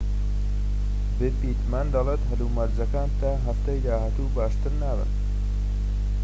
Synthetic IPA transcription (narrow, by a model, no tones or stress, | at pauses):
bɨpiːt̪mand̪ɐlet̪ɦɨluːmɐɾzɐkaːnt̪aɦɐft̪ɐjd̪aːɦaːt̪uːbaːʃt̪ɨɾnaːβɨ̰n